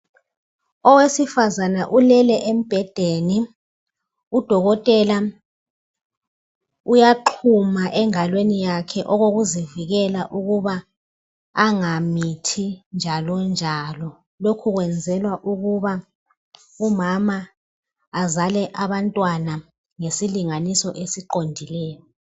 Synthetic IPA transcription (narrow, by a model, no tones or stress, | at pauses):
ɔwesifazanaʔulɛlɛʔem̩b̥ʱɛd̥ʱeːni | ud̥ʱɔɣɔtʼɛla | ujaǃʰumaʔɛŋalwenijakʰɛʔɔɣoɣuziviɣɛlaʔuɣuβaː | ŋamitʰind͡ʒʱalɔnd͡ʒʱalɔ | lokʰuɣwɛnd͡zʱɛlwaʔuɣuβa | umamaː | zalɛʔaβantʼwana | ŋesiliŋanisɔʔesiǃondʱilɛːjɔ